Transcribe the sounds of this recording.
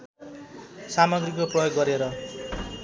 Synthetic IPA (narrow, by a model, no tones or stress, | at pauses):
samʌɡrikoprʌjoɡːʌɾeɾʌ